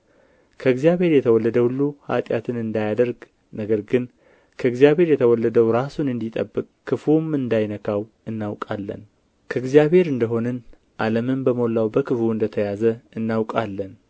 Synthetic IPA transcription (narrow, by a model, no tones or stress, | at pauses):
kʰəɨɡzjaβhe̞ɾjɛt̪ʰəwɔlːəd̪əhulːuha̰t̪ʼjat̪ʰɨnɨnd̪ajad̪əɾɡ | nəɡəɾɡɨn | kʰəɨɡzijaβhe̞ɾjɛt̪ʰəwɔlːəd̪əwɾasunɨnd̪it̪ʼəbːɨkʼkːɨfumɨnd̪ajnəkʰaw | ɨnːawkʼalːə̰n | kʰəɨɡzjaβhe̞ɾɨnd̪əɦo̞nɨn | ʔaləmɨmbəmo̞lːawbəkʰɨfuɨnd̪ət̪ʰəjazəɨnːawkʼalːən